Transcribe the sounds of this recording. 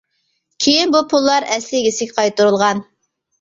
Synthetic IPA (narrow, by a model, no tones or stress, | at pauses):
kʲʰejinbupʰulˠːɑɾɛslɪɡʲisɪkʲqʰɑjt̪uɾulˠʁɑn